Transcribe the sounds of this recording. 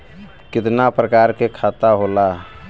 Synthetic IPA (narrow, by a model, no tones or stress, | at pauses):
kɪt̪napɾəkaːɾkekʰat̪aɦola